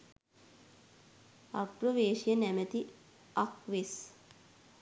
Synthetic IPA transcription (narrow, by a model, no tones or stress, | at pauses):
akproʋeːʃijənæmət̪i | akʋes